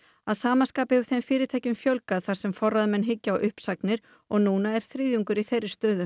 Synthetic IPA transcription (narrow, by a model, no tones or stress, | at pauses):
aðsaːmanskaːpɪhɛvʏ̥θejmfɪːɾɪt̪ʰaːjcʏmfjœwlkaðθaɾ̥sɛmfɔrːaðmɛnɦɪcːaːwʔʏhpsaknɪɾ̥ | ɔɣnuːnaɛɾ̥θɾiːðjuŋkʏɾiθejrːɪ̥st̪œːðʏ